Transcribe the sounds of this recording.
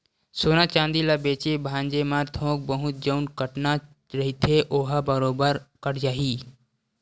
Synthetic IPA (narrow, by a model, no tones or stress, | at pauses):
soːnat͡ʃãːnd̪ilabeːt͡ʃebʱãːnd͡ʒemaɾt̪ʰõːk̚bəɦʊt̪̚d͡ʒəʊnkəʈna | ɾɐɦit̪ʰeʔoːɦabəɾoːbəɾkəʈd͡ʒaːɦiː